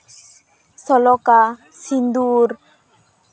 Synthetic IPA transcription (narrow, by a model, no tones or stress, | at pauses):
sɔlɔka | sind̪uɾ